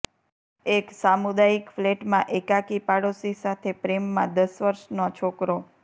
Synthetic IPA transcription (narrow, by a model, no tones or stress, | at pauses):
eksamud̪aikfleʈmãʔekakipaɽosisat̪ʰepɾemːãd̪əsʋəɾʃnot͡ʃʰokɾo